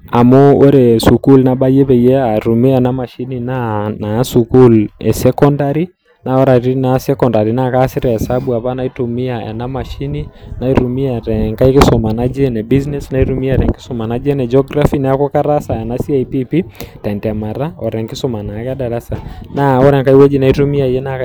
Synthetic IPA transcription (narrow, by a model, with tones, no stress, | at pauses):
a˨mo˦o˦ɾɛ˨su˨ku˦lnaba˦je˦βɛ˨jɛ˦a˨ɾu˨mi˦a˨na˦ma˨ʃi˦ni˨nana˦suku˦lɛ̰sɛkɔ˦ndaɾi˦ | na˨ɔ˦ɾa˨ɾi˦nasɛkɔnda˨ɾi˨nakasɪ˦ɾɛ˨ɛ˨sabua˨βa˦na˦i˦tumi˦aɛ̰˨na˦ma˨ʃi˦ni˦na˦i˦ɾu˨mi˦aɾɛŋka˦i˦kɪsɔma˨nad͡ʒɛ˦nɛ˨bi˦znɛsna˦i˦ɾu˦mi˦a˦ɾɛ˨ŋkɪ̥˦sɔma˨na˦d͡ʒɛ˦nɛ˨d͡ʒɔɡɾafina˦a˦kɔ˦ka˦ɾa˦sa˨ɛ˨nasi˦aipi˦pi˦ta˨ntɛ˨ma˨ɾa˦ɔ˨ɾɛ˨ŋkɪ˦sɔ˦ma˨na˨ka˦da˨ɾa˦sa˨na˦ɔ˦ɾɛ˨ŋka˦i˦wɛ˦d͡ʒi˦na˨itu˦mi˦ajɛ˦na